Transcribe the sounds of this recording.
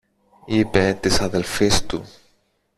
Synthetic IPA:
ipet̪isɐðelfist̪u

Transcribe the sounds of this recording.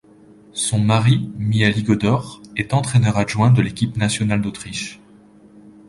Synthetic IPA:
sɔ̃maʁimialiɡɔd̪ɔʁɛt̪ɑ̃t̪χɛnœʁaʒwɛ̃d̪əlekʲipnasjɔnald̪ot̪χiʃ

